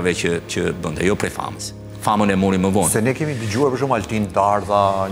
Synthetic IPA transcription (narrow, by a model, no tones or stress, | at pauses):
vɛcət͡ʃəbənd̪ʰajɔpɾɛfa̰məs | famənɛmuɾiməvɔnsɛnɛkimid̪əd͡ʑuɛpəʃ̬umalʈiːnt̪aːɾt̪a